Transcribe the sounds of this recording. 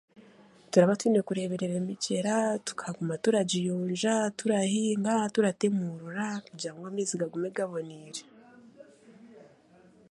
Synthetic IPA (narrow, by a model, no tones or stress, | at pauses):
tuɾaβatwiːnekuɾe̞βe̞ɾe̞ɾemice̞ɾatu̥kʰaɡumatuɾaɟijoːnʒatuɾahiŋɡatuɾatemuɾuɾakuɟaːŋɡwamiːziɡaɡumeɡaβo̞niɾe